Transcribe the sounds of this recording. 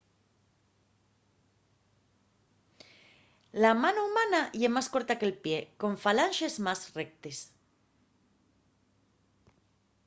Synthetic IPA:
lamanoumanaʝemasko̞ɾt̪akelpje̞ko̞ɱfalanʃe̞zmazre̞k̚t̪es

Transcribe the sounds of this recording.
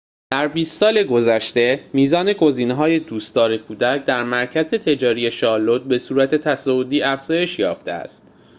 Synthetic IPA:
d̪̥æɾbiːst̪sɒːle̞ɡo̞zæʃt̪e̞miːzɒːne̞ɡo̞ziːneɦɒːje̞d̪uːst̪ɒːɾekʰuːd̪æcd̪æɾmæɾcʰæze̞t̪ʰe̞d͡ʒɒːɾije̞ʃɒːlot̪̚be̞suːɾæt̪ʰe̞t̪ʰæsɒod̪iːæfz̥ɒːje̞ʃjɒːft̪e̞̰æ̰st̪̚

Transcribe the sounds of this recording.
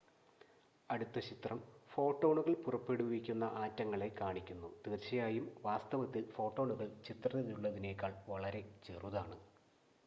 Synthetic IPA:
ɐɽut̪ːɐt͡ɕit̪rɐmfo̞ːʈːo̞ːɳuɣɐɭpurɐpːe̞ɽuʋikʲːunːɐʔaːtːɐŋːɐɭe̞kːaːɳikʲːunːut̪iːrt͡ɕːɐjaːjumʋaːst̪ɐʋɐt̪ːilfo̞ːʈːo̞ːɳuɣɐɭt͡ɕit̪rɐðɐðiuɭːɐðine̞kʲːaːɭʋɐɭɐɾe̞t͡ɕe̞ːruðaːɳɨ

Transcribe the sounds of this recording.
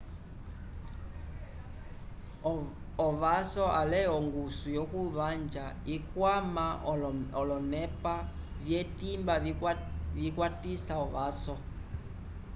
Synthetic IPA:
ɔβasɔalɛɔŋɡusujɔkuβand͡ʒaikwamaɔlɔnɛpa | vjɛtimba | vikwatisaɔβasɔ

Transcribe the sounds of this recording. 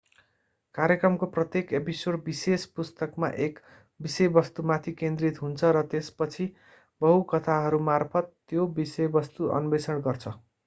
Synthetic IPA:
kaɾjekrʌmkoprʌt̪jekepisorbisespust̪ʌkma̰ʔek | bisejbʌst̪umat̪ʰikẽnd̪rit̪ɦunt͡sʰʌɾʌt̪espʌt͡sʰi | bʌɦukʌt̪ʰaɦʌɾumarpʰʌt̪ːjobisejbʌst̪uʔʌ̰nubesʰʌnɡʌrt͡sʰʌ

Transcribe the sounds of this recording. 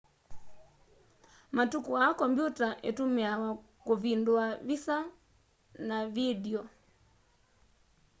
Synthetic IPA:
matukuakɔmbjutaʔɛtumiawakuvindwavisa | navidiɔ

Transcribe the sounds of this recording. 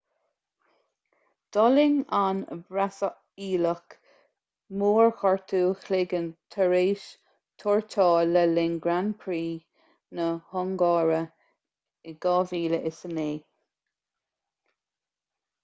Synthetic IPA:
d̪̥ɔlɪŋanə̰bɾasə | iːlək | moːɹxɔɹt̪ʰuːxleɡənt̪ʰəɹeːʃ | t̪ʰɔɹtʰɑːləlɪŋɡɾanpʰɾiː | nəhɔŋɡɑːɹə | ɪɡ̥ɑːviːləʔɪsəneː

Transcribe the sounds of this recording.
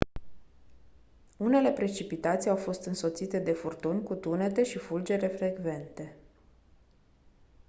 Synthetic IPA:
une̞le̞pɾe̞t͡ʃipit̪at̪sʲiawfo̞st̪ɨnso̞t̪sit̪e̞d̪e̞furt̪unʲkut̪une̞t̪e̞ʃifuld͡ʒe̞ɾe̞fɾe̞ɡve̞nt̪e̞

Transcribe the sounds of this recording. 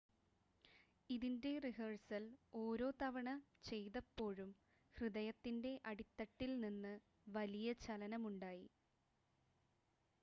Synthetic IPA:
iðinde̞riɦɐːɻsɐlo̞ːɾo̞ːt̪ɐʋɐɳɐt͡ɕe̞jðɐpːo̞ːɻum | hrɨðɐjɐt̪ːinde̞ʔɐɽit̪ːɐʈːilninːɨ | ʋɐlijɐt͡ɕɐlɐnɐmuɳɖaːji

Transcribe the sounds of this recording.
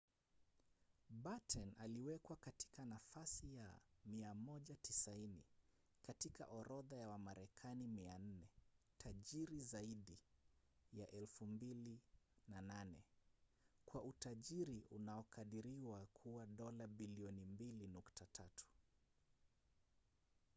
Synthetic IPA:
ɓatʰɛnaliwɛkwakati̥kanafasijamiamɔʄatisaini | katika̰ʔɔɾɔðajawamaɾɛkʰanimian̩nɛ | tʰaʄiɾizaiɗi | jaʔɛlfumbilinananɛ | kwaʔutaʄiɾiʔunaɔkaɗiɾiwakʰuwaɗɔlaɓiliɔnimbilinuktatʰatu̥

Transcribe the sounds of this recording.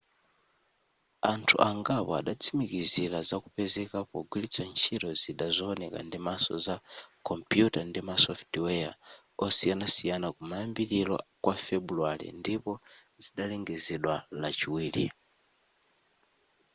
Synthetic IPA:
antʰṵʔaŋɡapɔa̰ɗat͡sʰimikizilazakupɛzɛkapɔɡwilit͡sʰant͡ʃʰiɾɔziɗazɔːnɛka̰ndimasɔ̰zakʰɔmpjutandimasɔftwɛa̰ | ɔsianasijanakumajambiɾilɔ̰kwafɛbulualḭndipɔ | ziɗalɛŋɡɛzɛɗwalat͡ʃiwiːlḭ

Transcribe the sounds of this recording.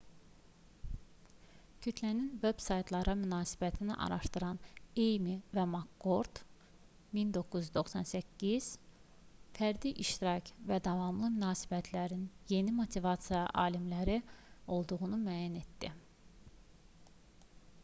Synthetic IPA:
cʰyt̪ʰlæninveb̥sɑjt̪ʰlˠɑɾɑmynɑːsi̥bæt̪ʰinḭʔɑ̰ɾɑʃt̪ɯɾɑnejmivæmɑkːo̞ɾd̪̥ | mind̪o̞kːuzd̪o̞xsɑnsæcʰːiz̥ | fæɾd̪iʔiʃt̪iɾɑcʰvæd̪ɑvɑmlˠɯmynɑːsi̥bæt̪ʰlæɾinje̞nimo̞t̪ʰivɑt̪sijɑʔɑːlimlæɾio̞lˠd̪uɣunumæːjæne̞t̪d̪i

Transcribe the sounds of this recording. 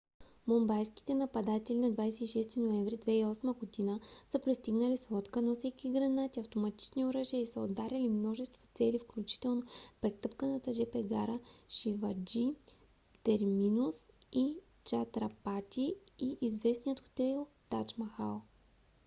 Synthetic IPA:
mombajski̥t̪ɛnɐpɐd̪at̪ɛlinɐd̪vajsɛiʃɛst̪inoɛɱvɾid̪vɛiɔsməɡod̪inəsəpɾɛst̪iɡnəlisvɔt̪kənɐfsɛkʲiɡɾɐnat̪iɐft̪omɐt̪i̥t͡ʃnioɾəʒiəisəod̪ːaɾʲɐlimnɔʒɛst̪vo̥t̪sɛlifklʲut͡ʃi̥t̪ɛlˠnopɾɛt̪ɤpkənɐt̪ɐʒɛpɛɡa̰ɾəʃivɐd͡ʒi | t̪ɛɾminusi | t͡ʃat̪ɾɐpat̪iiʔizvɛsnʲijət̪xo̥t̪ɛlˠ | t̪at͡ʃmɐxalˠ

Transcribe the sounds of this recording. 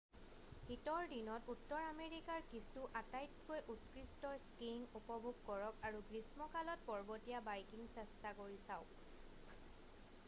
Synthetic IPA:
hitɔɹdinɔtutːɔɹameɹikaɹkisuʔatajtkojʔutkɹistɔskiŋupɔbʱuɡ̚kɔɹɔkaɹuɡɹismɔkalɔt̚pɔɹbɔtijabajkiŋsɛstakoɹisaʊ

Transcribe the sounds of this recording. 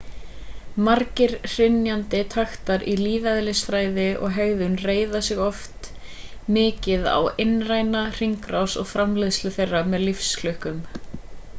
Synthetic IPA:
maɾcɪɾ̥r̥ɪnjant̪ɪt̪ʰaxt̪aɾiliːvaðɪlɪsfɾaːjðɪʔɔ̰ɣɦɛɣðʏnreːjðasɪɣɔft̪mɪːcɪða̰wenraːjnar̥iŋkɾawsɔɣfɾamlɪðslʏθejrːamɛðlifsklʏhkʏm

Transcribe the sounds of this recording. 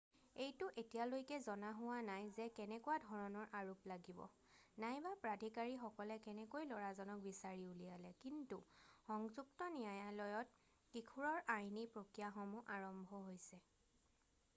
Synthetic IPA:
ejtʊʔetijalojkɛzɔnaɦʊwanajzɛkɛnɛkʊwadʱɔɹɔnɔɹʔaɹuplaɡibɔ̰ | najbapɹadʱikaɹixɔkɔlɛkɛnɛkojlɔɹazɔnɔk̚bisaɹiulijalɛkintuxɔŋzuktɔnijajalɔjɔt̚ | kikʰuɹɔɹʔajnipɹokɹijaxɔmuʔaɹɔmbʱɔɦojsɛ

